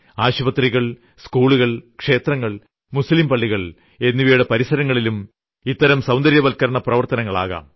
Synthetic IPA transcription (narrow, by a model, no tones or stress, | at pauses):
aːɕubɐt̪riɣɐɭ | skuːɭuɣɐɭkʂe̞ːt̪rɐŋːɐɭ | muslimpɐɭːiɣɐɭ | e̞nːiʋɐjuɽepɐɾisɐɾɐŋːɐɭilum | it̪ːɐɾɐmsɐwnd̪ɐɾjɐʋɐlkɐɾɐɳɐprɐʋɐrt̪ɐnɐŋːɐɭa̰ːɣa̰ːm